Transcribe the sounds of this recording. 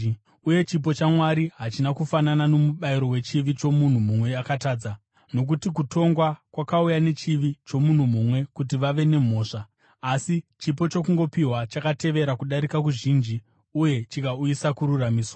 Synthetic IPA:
uje̞t͡ʃip̬o̞t͡ʃamwaɾiɦat͡ʃinakufananano̞muɓaiɾo̞we̞t͡ʃiʋit͡ʃo̞mun̤umumwe̞jakataːd͡za | no̞k̬utik̬uto̞ŋɡwakwakaujane̞t͡ʃiʋit͡ʃo̞mun̤umumwe̞kut̬iʋaʋe̞ne̞m̤o̞ːʂaː | sit͡ʃipo̞t͡ʃo̞kuŋɡo̞piɦwat͡ʃakate̞ʋe̞ɾakuɗaɾikak̬uʐiːnd͡ʒi | uje̞t͡ʃikaujisakuɾuramiːswa

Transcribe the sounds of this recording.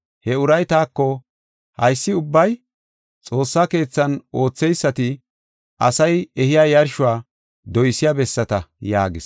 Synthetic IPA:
hɛʊɾɐjt̪aːkːɔ | hɐjsːɪʊbːɐj | t͡sʼo̞ːsːake̞ːt͡sːɐno̞ːt͡sːɛjsːɐt̪ɪ | ʔɐsɐjɛhɪjaːjɐɾʃʊwaː | d̪ɔjsɪjabɛsːɐt̪ɐja̰ːɡɪs

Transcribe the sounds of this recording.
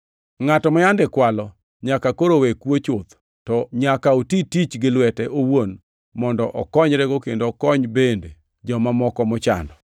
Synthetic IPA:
ŋatɔmajandɪkwalɔ | ɲakakoɾowekwot͡ʃʊt̪ | tɔɲakaotitit͡ʃɡɪlwɛtɛʔowon | mɔndɔʔɔkɔɲɾɛɡokendokɔɲbende | d͡ʒɔmamɔkɔmɔt͡ʃa̰ndɔ

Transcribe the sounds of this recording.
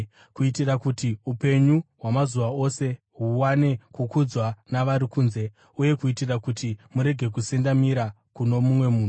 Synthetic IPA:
kuitirakutiupe̞ɲuɦwamazuʋao̞se̞ | ɦuwane̞kukud͡zwanaʋaɾikuːnze̞ | uje̞kuitirakutimuɾe̞ɡʱe̞k̬usendamiɾa | kuno̞mumwe̞muːnu

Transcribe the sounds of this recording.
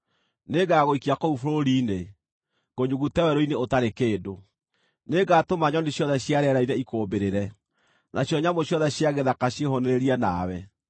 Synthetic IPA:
neɡaɣoikiakoufoɾoɾiːne | ɣ̥oɲuɣutɛwɛɾoineotaɾekeːdo | neɡatomaɲɔneɕjɔðɛɕjaɾɛɾaiɾɛikoːmbeɾeɾɛ | nʔaɕjɔɲamoɕjɔðɛɕjaɣeðakaɕjehoneɾeɾiana̰wɛ

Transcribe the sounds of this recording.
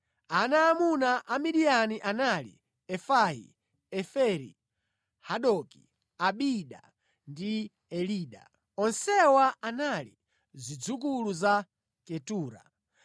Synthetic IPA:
anaːmunaʔamiɗianiʔanalḭ | ɛfajḭ | ɛfɛɾḭ | haɗɔki | aɓiɗa̰ | ndi | ɛliːɗa̰ | ɔnsɛwaʔanalḭ | zid͡zukuluza | kɛtuːɾa̰

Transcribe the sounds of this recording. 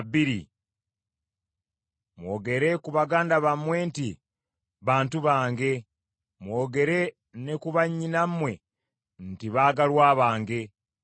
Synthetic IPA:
biɾḭ | mwoːɡe̞ɾe̞kuβaɡaːndaβamwe̞nti | βaːntuβaːŋɡe̞ | mwo̞ːɡe̞ɾe̞ | ne̞kuβaɲːinammːwe̞ | ntiβaːɡalwaːβaːŋɡe̞

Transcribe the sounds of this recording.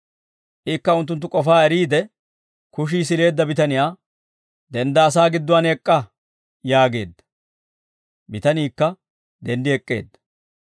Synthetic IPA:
ʔɪkːɐʊnt̪ːʊnt̪ːʊkʼɔfaːɛɾiːd̪ɛ | kʊʃ̬iːs̬ɪle̞ːd̪ːɐbɪt̪ɐnɪjaː | d̪ɛnd̪ɐːs̬aːɡɪd̪ːʊwanɛkʼːɐ | jaːɡe̞ːd̪ːɐ̥ | bɪt̪ɐniːkːɐ | d̪ɛnd̪ɪɛkʼːe̞̰ːd̪ːɐ̥

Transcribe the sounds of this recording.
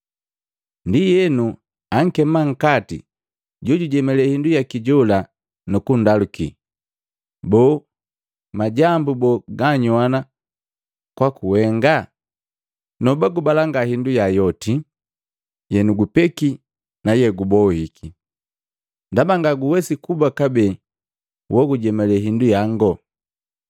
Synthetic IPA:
ndijɛnu | aŋ̩kɛmaŋ̩katḭ | ɟɔɟuɟɛmɛlɛhindujakiɟɔla | nukundalukḭ | bɔ | maɟambubɔɡaɲwana | kwakuwɛŋɡa | nɔbaɡubalaŋɡahindujajɔti | jɛnuɡupɛki | najɛɡubɔhikʰi | ndabaŋɡaɡuwɛsikubakabɛ | wɔɡuɟɛmɛlɛɦindujaŋɡɔ

